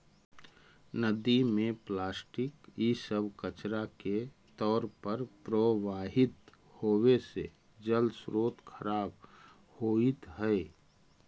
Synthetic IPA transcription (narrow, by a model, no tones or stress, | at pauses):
nəd̪imẽplaːsʈɪkisəbʱkət͡ʃɾake | t̪ɔːɾpəɾpɾəwaːɦɪt̪ | hoːwese | d͡ʒəlsɾoːt̪kʰəɾaːb | hoːit̪ɦɛe